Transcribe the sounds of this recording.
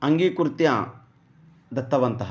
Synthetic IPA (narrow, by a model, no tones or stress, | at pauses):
ɐŋɡiːkuɾt̪jɐ | d̪ɐt̪ːɐʋɐnt̪ɐɦ